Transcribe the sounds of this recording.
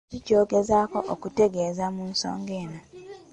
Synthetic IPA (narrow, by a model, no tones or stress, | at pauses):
ico̞ːɡe̞zako̞ʔokute̞ɡeːzamuːnso̰ːŋɡeːna